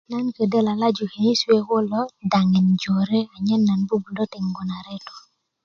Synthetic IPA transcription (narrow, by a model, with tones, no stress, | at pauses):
na˦nkə˨dɛ˦la˨la˦d͡ʒu˨he˨ni˦swe˦ko˦lɔ˦da˨ŋɛ˨nd͡ʒo˨ɾe˦a˨ɲɛ˦nːa˨nbu˦bu˨dɔ˦tɪ˨ŋɡɔ˨na˨ɾɛ˦tɔ̥˨